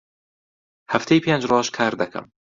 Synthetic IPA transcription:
hɐft̪ʰejpʰend͡ʒɾwɑʃkʰaːɾd̪ɐkʰɐ̰m

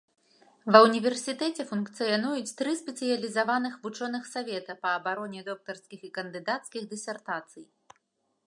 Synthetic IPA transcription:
vɐwnʲivʲɛrsʲit̪ɛt͡sʲɛfunkt̪sɨjanujut͡sʲt̪ɾɨspʲɛt̪sɨjɐlʲizavanɨxvut͡ʂɔnɨxsavʲɛt̪ɐpɐːbaɾɔnʲɛd̪ɔk̚t̪ɐrskʲixikɐnd̪ɨd̪at̪skʲiɣd̪ɨsʲɛrt̪at̪sɨj

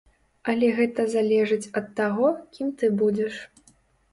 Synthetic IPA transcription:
ɐlʲɛɣɛt̪ɐzalʲɛʐɨt͡sʲɐt̪ːaɣɔkʲimt̪ɨbud͡zʲɛʂ

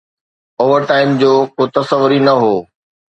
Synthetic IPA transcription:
oːʋəɾʈaːɪmd͡ʑoːkoːt̪ɐsəʋʊɾinɐɦoː

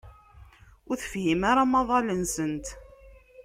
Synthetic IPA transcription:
ʊɾθəfhimaɾamɑðˤɑlənsənt̪

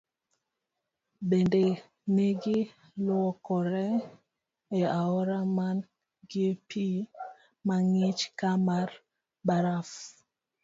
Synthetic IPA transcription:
bende | neɡi | lɔkɔɾɛ | eaɔɾaman | ɡiepʰi | maŋit͡ʃkamaɾ | baɾaf

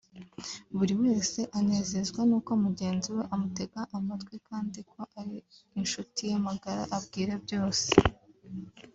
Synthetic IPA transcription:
βuɾiwe̞ːse̞ʔane̞ːze̞zɡwanuːkoamuɟe̞ːnziwe̞ʔamute̞ɡaʔamatɡwikaːndikʰo̞ʔaɾiː | nʃutijamaɡaɾa̰ʔabɡiːɾe̞bjo̞ːse̥

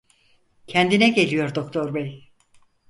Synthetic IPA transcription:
cʰɛnd̪inɛɟe̞lʲijo̞ɾd̪okt̪ʰo̞ɾbɛj

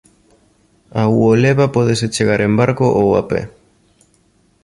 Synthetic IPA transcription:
auoleβapoð̞eset͡ʃeɣ̞aɾe̞mbaɾkoʔowa̰pḛ

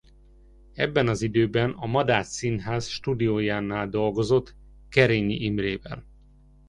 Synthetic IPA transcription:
ɛ̰bːɛnɒzid̪øːbɛnɒmɒd̪aːt̪sinɦaːzʃt̪ud̪ioːjaːnːaːld̪o̞lɡo̞zo̞t̪ | kɛɾeːɲiʔimreːvɛ̰l

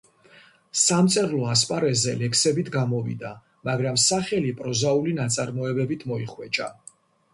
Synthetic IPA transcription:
samt̪sʼɛɾlˠɔaspʼaɾɛzɛlɛkʰsɛbit̪ʰɡamɔvḭd̪a | maɡɾamsaχɛlipʼɾɔzaulinat̪sʼaɾmɔɛbɛbit̪ʰmɔiχwɛt͡ʃʼa̰

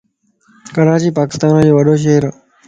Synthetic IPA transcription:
kəɾaːt͡ʃiːpaːkɪ̥st̪aːnoːd͡ʑeːʋɐɖoːʃ̬eɾo

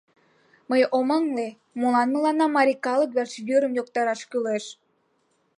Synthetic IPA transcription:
məjoməŋle | molɑnmə̆lɑnɑmɑɾʲikɑləkβert͡ɕjøɾəmjokt̪ɑɾɑʃkyleʃ

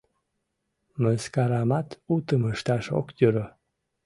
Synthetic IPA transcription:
məskaɾamat̪ut̪əməʃt̪aʃo̰kdʲøɾə

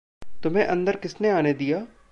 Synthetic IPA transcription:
t̪ʊmɦẽʔɐ̃nd̪əɾkɪsneaːned̪ijaː

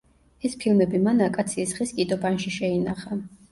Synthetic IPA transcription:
ɛspʰilˠmɛbimanakʼat̪sʰiːsʁiskʼid̪ɔbanʃiʃɛinaχa

